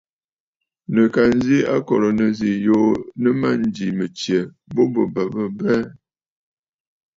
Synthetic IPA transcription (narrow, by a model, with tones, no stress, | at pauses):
nə˨ka˨n˦zi˦a˦kɔ˨ɾɔ˨nə˨zi˨jo˦nə˦ma˦n˦d͡ʒi˨mə˨t͡ʃjɛ˨ | bo˦bə˨bə˨bə˦bɛ˦